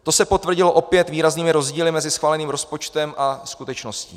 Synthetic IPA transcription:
t̪o̞sɛpot̪vr̩ɟɪlo̞ʔo̞pjɛt̪viːɾazniːmɪɾo̞zɟiːlɪmɛzɪsxvaːlɛniːmɾo̞spot͡ʃt̪ɛmʔaskut̪ɛt͡ʃnoscḭː

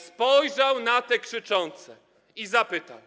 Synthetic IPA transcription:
spɔjʐawnat̪ɛkʂɘt͡ʂɔnt̪sɛ | izapɘt̪aw

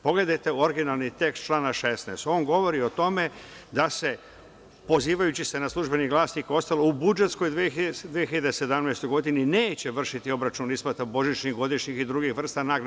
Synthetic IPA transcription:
po̞ɡle̞d̪ajt̪e̞o̞ɾɡinalˠnit̪e̞kst͡ʃlˠaːnaʃe̞sneːst̪o̞ːŋɡo̞ʋo̞ɾio̞t̪o̞me̞ | d̪ase̞ | po̞ziːʋajut͡ɕise̞naslˠuʒbe̞niɡlˠaːsniko̞st̪aloubud͡ʒe̞t̪sko̞jd̪ʋiid̪ʋijeçiʎad̪ese̞d̪amnejst̪o̞jɡo̞d̪inineːt͡ɕe̞ʋr̩ʃit̪io̞bɾat͡ʃunispat̪abo̞ʒit͡ʃɲixɡo̞d̪iʃɲixid̪ɾuɡixʋr̩st̪anaɾ

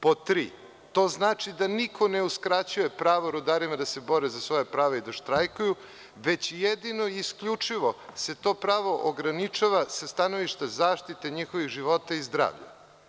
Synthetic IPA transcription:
po̞t̪ɾḭː | t̪o̞ːznaːt͡ʃid̪anikʰo̞neuskɾat͡ɕuje̞pɾaːʋoɾud̪aɾimad̪ase̞bo̞ɾezasʋo̞japɾaːʋeid̪aʃt̪ɾajkuju | ʋe̞t͡ɕjed̪ino̞iskʎut͡ʂiʋo̞se̞t̪o̞ːpɾaːʋo̞ʔoɡɾanit͡ʃaʋasast̪ano̞ʋiʃt̪azaːʃt̪it̪eɲixo̞ʋiɣʒiʋo̞t̪aizd̪ɾa̰ːʋʎa̰

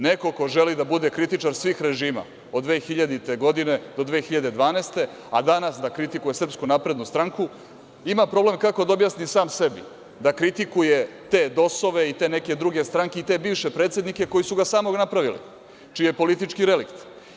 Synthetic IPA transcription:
neko̞ko̞ʒelid̪abud̪e̞kɾit̪it͡ʂaɾsʋiːxɾe̞ʒiːma̰ | od̪ʋe̞ːxiʎad̪it̪e̞ɡo̞d̪ine̞d̪o̞d̪ʋexiʎad̪e̞d̪ʋaːneːst̪e̞ | ad̪anasd̪akɾit̪ikuje̞sr̩pskunapɾe̞d̪nust̪ɾaŋku | imapɾo̞ble̞mkako̞d̪aobjasnisaːmse̞bḭ | d̪akɾit̪ikuje̞t̪e̞ːd̪o̞so̞ʋeit̪e̞ne̞ke̞d̪ɾuɡe̞st̪ɾaŋkeit̪e̞biːʋʃe̞pɾet̪sje̞d̪nike̞ko̞jisuɡasaːmo̞ɡnapɾaʋilḭ | t͡ʃijepo̞lit̪it͡ʂkiɾe̞likt̪

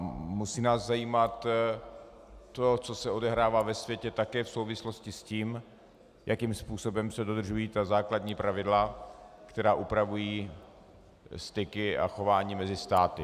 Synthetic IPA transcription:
musiːnaːzzajiːmat̪ | o̞t͡so̞sɛodɛɦɾaːvaːvɛsvjɛcɛt̪akɛːfso̞wvɪslo̞scɪsciːm | jakimspuːso̞bɛmsɛdo̞d̪rʒujiːt̪azaːkladɲiːpɾavɪdlakt̪ɛɾaːʔupɾavujiː | st̪ɪkɪʔa̰xo̞vaːɲiːmɛzɪst̪aːt̪ɪ

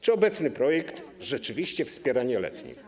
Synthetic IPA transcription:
t͡ʂɘɔbɛt̪snɘpɾɔjɛkt̪ʐɛt͡ʂɘvʲiɕt͡ɕɛfspʲjɛɾaɲɛlɛ̰t̪ɲḭ

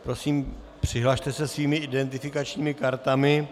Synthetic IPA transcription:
pɾo̞siːm | pr̝̥ɪɦlaʃt̪ɛsɛsviːmɪʔɪdɛnt̪ɪfɪkat͡ʃɲiːmɪkaɾt̪amɪ

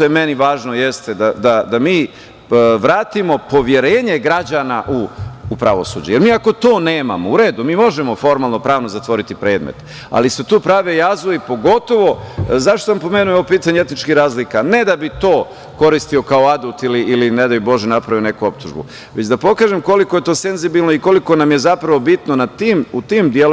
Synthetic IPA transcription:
t̪ojeme̞niʋaːʒnojest̪ed̪ad̪ad̪amiː | ʋɾaːt̪imo̞po̞ʋje̞ɾe̞ːɲe̞ɡɾad͡ʑanaʔuːpɾaʋo̞sṵd͡ʑeje̞ɾmiːako̞t̪o̞ːne̞ːma̰mouɾe̞ːd̪umiːmo̞ʒemo̞fo̞ɾmalˠno̞pɾaːʋno̞zat̪ʋo̞ɾit̪ipɾe̞ːd̪mḛt̪ | a̰liset̪uːpɾaʋejazoipo̞ɡo̞t̪o̞ʋo̞zaʃt̪oampo̞me̞nujeoopiːt̪aɲeet̪nit͡ʃkiɾaːzlikane̞d̪abit̪o̞ː | ko̞ɾist̪io̞kaoad̪ult̪iliilined̪abibo̞ʒjenapɾaʋione̞kuop̚t̪uʒbṵ | ʋet͡ɕd̪apo̞kaːʒemko̞liko̞je̞t̪o̞ːse̞nzibilnoiko̞liko̞namjezapɾaʋo̞bit̪nonat̪imut̪imd̪jelo

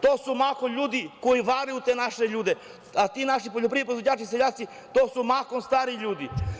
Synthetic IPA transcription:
t̪oːsumakoʎuːd̪ikojiʋaːɾejut̪enaʃeʎuːd̪e | at̪iːnaʃipoʎop̬ɾiipɾoizʋod͡ʑaːt͡ʃiseʎaːt̪si | t̪oːsumakonst̪aːɾiʎuːd̪i

